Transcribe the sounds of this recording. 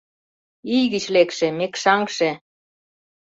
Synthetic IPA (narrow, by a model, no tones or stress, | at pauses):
ijɣɘt͡ɕlekʃĕmekʃɑŋkʃĕ